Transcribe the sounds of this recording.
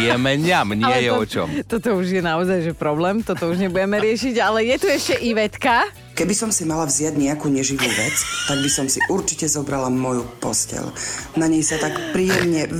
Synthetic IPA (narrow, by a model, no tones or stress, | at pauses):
ɛmɛɲamɲɪɛjɛɔt͡ʃɔ̰mt̪ɔt̪ɔuʒjɛnaɔzajʒɛpɾɔblɛːmt̪ɔt̪ɔuʒɲɛbujɛmɛɾɪɛʃiɟalɛjɛt̪uɛʃcɛʔiʋɛt̪ka | kɛbisɔmsimalavzjaɟɲɛakuːɲɛʒiʋuːʋɛt͡st̪aɡbisɔmsiʔuɾt͡ʃi̥cɛzɔbɾalamɔjupɔ̰scɛ̰lnaɲɛjsat̪akpɾiːjɛmɲɛ